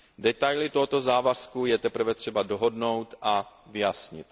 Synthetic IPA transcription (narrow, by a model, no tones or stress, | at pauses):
dɛt̪ajlɪt̪oɦot̪o̞zaːvaskujɛt̪ɛpɾr̩vɛt̪r̝̥ɛbadoɦo̞dno̞wt̪ʔavɪjasɲɪ̰t̪